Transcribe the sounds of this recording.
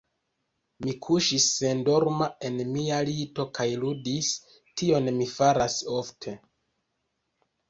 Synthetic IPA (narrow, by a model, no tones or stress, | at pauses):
mikʰuʃisːe̞ndo̞ɾmae̞nmialito̞kʰajludis | tʰio̞nmifaɾaso̞ftʰe̞